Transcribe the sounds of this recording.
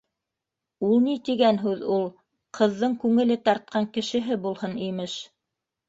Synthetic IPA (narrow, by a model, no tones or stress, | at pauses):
ulˠnit̪iɡænɦʉðulˠ | qʰɤ̆ðːɤɴkʉŋɘ̆lɘt̪ɑɾt̪̚qɑŋkɘ̆ʃɘ̆ɦɘbulˠhɤnimɘʃ